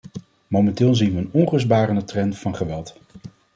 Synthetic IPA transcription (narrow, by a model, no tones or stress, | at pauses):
mowmɛntɪːlˠzinʋəːnɔnχɵsbaːrənətrɛnv̥ɑnχəʋɛlˠt